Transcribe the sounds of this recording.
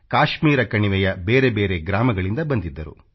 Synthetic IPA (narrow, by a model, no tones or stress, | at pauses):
kaːʃmiːɾɐkɐɳiʋɛjɐbeːɾe̞beːɾe̞ɡɾaːmɐɡɐɭind̪ɐbɐnd̪id̪ːɐɾṵ